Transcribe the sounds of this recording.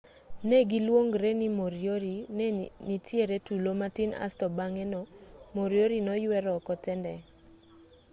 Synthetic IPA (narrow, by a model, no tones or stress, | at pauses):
neɡilwoŋɡɾenimoɾjoɾinenitjeɾetulomatina̰stɔbaŋɛnɔmoɾjoɾinɔjwɛɾɔkɔtɛndɛ